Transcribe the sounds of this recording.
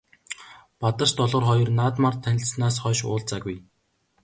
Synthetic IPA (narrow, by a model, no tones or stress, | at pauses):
pat̪ə̥̆ʃt̪ɔɮɞ̆ːrχɔjɞ̆rnaːt̪mart̪ʰænʲɪ̆ɮsnaːsχœːʃʊ̰ːɮt͡saɣuj